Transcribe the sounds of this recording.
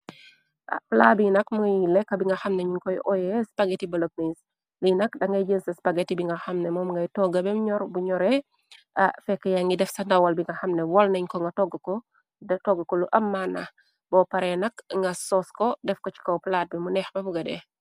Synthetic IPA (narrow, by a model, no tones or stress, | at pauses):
ʔa̰plat̚binɐkmuŋjilɛkːɐbiŋɡɐxɐmneɲiŋkɔjʔɔjɛspaɡetibɐlop̚niis | linɐkdɐŋɡɐjd͡ʒənsɐspaɡetibiŋɡɐxɐmnɛmɔːmŋɡɐjtɔɡɐbɛmɲɔɾbuɲɔɾɛ | afɛkːɐjaŋɡidɛfsɐndɐwɐlbiŋɡɐxɐmnɛwɔlnɐɲkɔŋɡɐtɔɡakɔ | dɐtɔɡakɔluʔɐmːana | bɔpɐɾɛnɐkŋɡɐsɔskɔdɛfkɔt͡ʃi̥kɔplat̚bimunɛxbɐfuɡɐdɛ̰